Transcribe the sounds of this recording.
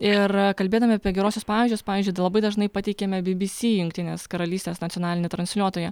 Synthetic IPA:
ɪrkɐlʲbʲeːd̪ɐmʲɪɐpʲiɛɡʲɛɾoːsʲʊspɑːʋʲiːʒʲd͡ʒʲʊspɑːʋʲiːzʲd͡ʒʊɪlˠɐbɐɪd̪ɐʒnɐɪpɐt̪ʲɛɪkʲeːmʲɛbʲɪbʲɪsʲiːjʊŋk̚t̪ʲɪnʲeːskɐɾɐlʲiːst̪ʲeːsnɐt̪ʲɔnɑːlʲɪnʲɪt̪ɾɐnʲsʲlʲuɔt̪oːjɛ

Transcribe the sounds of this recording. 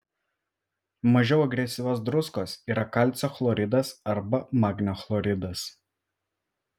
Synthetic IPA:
mɐʒʲɛʊɐɡɾʲɛsʲɪʋʲoːsd̪ɾʊskoːsiːɾɐkɑˑlʲt̪sʲoːxlˠɔɾʲɪd̪ɐsɐɾbɐmɑːɡnʲoxlˠɔɾʲɪd̪ɐs

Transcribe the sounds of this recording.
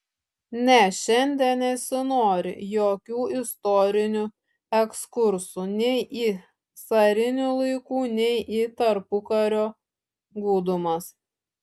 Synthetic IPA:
nʲɛʃʲɛnʲd̪ʲɛnnʲɛsʲɪnoːɾʲɪ̰joːkʲuːɪst̪ɔɾʲɪnʲʊ | ɛkskʊɾsuːnʲɛɪʔiː | sɐɾʲɪnʲulˠɐɪkuːnʲɛɪʔiːt̪ɐɾpʊkɐɾʲoː | ɡuːd̪ʊmɐs

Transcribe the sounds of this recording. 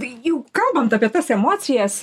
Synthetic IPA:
jɛʊkɐlˠbɐnt̪ɐːpʲiɛt̪ɐsɛmoːsʲɪjɛs

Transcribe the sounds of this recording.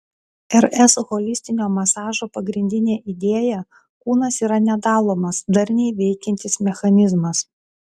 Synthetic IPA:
ɛɾɛsɣɔlʲɪsʲt̪ʲɪnʲoːmɐsɑːʒoːpɐɡɾʲɪnʲd̪ʲɪnʲeːʔid̪ʲeːjɛ | kuːnɐsiːɾɐnʲɛd̪ɑːlˠoːmɐsd̪ɐɾʲnʲɛɪʋʲɛɪkʲɛnʲt̪ʲɪsmʲɛxɐnʲɪzmɐs

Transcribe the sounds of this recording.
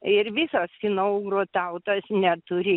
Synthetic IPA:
ɪrʋʲisosfʲɪnoːuɡroːt̪ɐʊt̪ɐsnʲɛt̪ʊɾʲɪ

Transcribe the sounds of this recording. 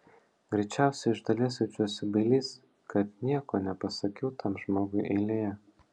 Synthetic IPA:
ɡɾʲɛɪt͡ʃʲæˑʊsʲɛɪɪʒd̪ɐlʲiɛsʲɛt͡ʃʲuːsʲʊbʲɐlʲiːs | kɐt̪nʲiɛkoːnʲɛpɐsɐkʲɛʊt̪ʰɐmʒmoːɡʊɪʔɛɪlʲeːjɛ

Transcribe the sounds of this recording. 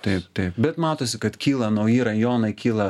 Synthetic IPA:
t̪ɐɪpt̪ɐɪpbʲɛt̪mɑːt̪oːs̬ʲɪkɐt̪kʲiːlˠɐnɐʊjiːɾɐjoːnɐɪkʲiːlˠɐ

